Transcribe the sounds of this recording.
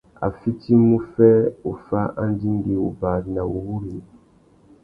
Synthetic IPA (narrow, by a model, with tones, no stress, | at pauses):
a̰˨fi˦ti˦mu˦fɛ˦o˨fa˦ʔa˦n˦di˦ŋ˦ɡi˨u˨ba˨na˨wu˨wu˦ɾi˨